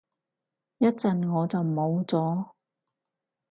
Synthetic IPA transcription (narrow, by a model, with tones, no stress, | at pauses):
jɐ˥t̚t͡sɐ˨nŋɔː˨˧t͡sɐ˨wmo˨˧wt͡sɔː˨˥˦